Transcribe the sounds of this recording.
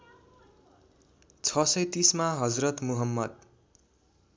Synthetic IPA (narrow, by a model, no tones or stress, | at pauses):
t͡sʰʌsʌjt̪ismaɦʌd͡zrʌt̪muɦʌmːʌd̪̚